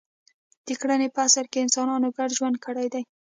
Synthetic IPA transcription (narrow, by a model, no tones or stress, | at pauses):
d̪̥əkɽanepəasaɾkeɪnsɑnɑnoɡaɽʒwand̪̚kəɽajd̪aj